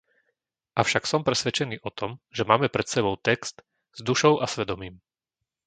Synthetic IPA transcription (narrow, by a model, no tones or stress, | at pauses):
ʔafʃaksɔmpɾɛsʋɛt͡ʃɛniːʔɔt̪ʰɔmʒɛmaːmɛpɾɛt̪sɛbɔʊt̪ɛkst̪ | z̥d̪uʃɔʊʔasʋɛd̪ɔmiːm